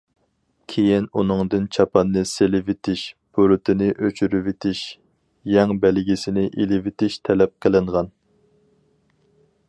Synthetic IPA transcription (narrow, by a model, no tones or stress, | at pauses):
kʲʰejinunɨŋd̪ɨnt͡ʃʰɑpʰɑnːɨselɪvɪt̪ʰɪʃb̥øɾɨt̪ʰɪnɪʔøt͡ʃʰyɾyvɪt̪ʰɪʃ | jɛŋbɛlɡʲisɪnɪʔilɪvɪt̪ʰɪʃt̪ʰɛlɛp̚qʰəlɪɴʁɑn